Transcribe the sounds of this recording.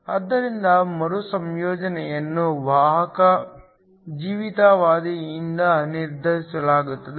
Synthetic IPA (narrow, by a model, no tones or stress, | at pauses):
ɐd̪ːɐɾind̪ɐmɐɾusɐmjoːd͡ʒɐnɛjɐnːuʋaːɦɐkɐ | d͡ʒiːʋit̪aʋaːd̪iind̪ɐniɾd̪ʱɐɾisɐlaːɡut̪ːɐd̪e